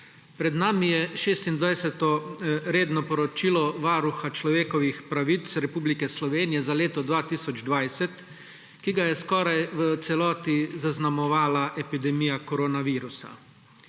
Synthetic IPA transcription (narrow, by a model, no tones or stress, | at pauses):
pɾɛd̪naːmijɛʃeːst̪ind̪ʋajsɛt̪ɔɾeːd̪nɔpɔɾɔt͡ʃiːlɔʋaːɾuxat͡ʃlɔʋeːkɔʋixpɾaʋit̪sɾɛpuːblikɛslɔʋeːnijɛzaleːt̪ɔd̪ʋaːt̪iːsɔd͡ʒd̪ʋajsɛt̪ | kiɡajɛskɔːɾajʋət̪sɛlɔːt̪izaznamɔʋaːlaʔɛpid̪ɛmijakɔɾoːnaʋiːɾusa̰